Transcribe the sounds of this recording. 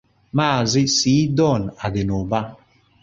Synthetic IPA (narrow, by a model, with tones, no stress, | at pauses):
maː˦˨zi˦siː˨˦dɔ˦˨na˨de˨no˨ba˦